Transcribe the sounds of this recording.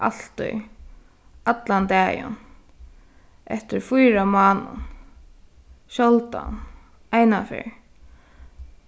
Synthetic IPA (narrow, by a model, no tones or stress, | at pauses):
a̰l̥t̪ʊ̰j | at̪lant̪ɛːjʊ̰n | ʔɛht̪ɪɾfʊjɾamaːnʊ̰n | ʃɔlt̪a̰n | ajnafɪ̰ɹ